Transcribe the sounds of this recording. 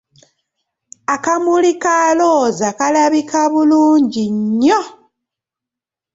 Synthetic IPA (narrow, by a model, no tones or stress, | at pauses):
akamulikaloːzakalaβikʰaβuluːɲɟiɲːo